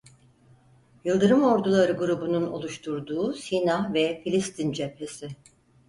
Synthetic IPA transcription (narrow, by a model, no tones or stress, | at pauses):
jɯlˠd̪ɯɾɯmo̞ɾd̪ulˠaɾɯɡuɾubununo̞̰lˠuʃt̪ʰuɾd̪uːsinavɛfilʲist̪ʰind͡ʒephesɪ